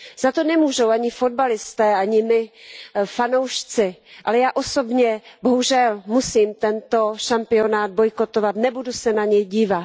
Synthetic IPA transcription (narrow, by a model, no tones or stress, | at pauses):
z̥at̪o̞nɛmuːʒowʔaɲɪfo̞d̪̚balɪst̪ɛːaɲɪmɪfanowʃt͡sɪʔalɛjaːʔo̞so̞bɲɛboɦuʒɛlmusiːmt̪ɛnt̪o̞ʃampɪo̞naːd̪̚bojkot̪ovat̪nɛbudusɛnaɲɛjɟiːvat̪